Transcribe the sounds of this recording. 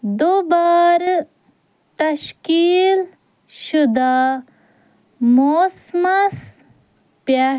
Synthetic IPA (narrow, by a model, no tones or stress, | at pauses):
d̪obaːɾ | t̪ɐʃkiːl | ʃud̪aː | moːsmɐs | pja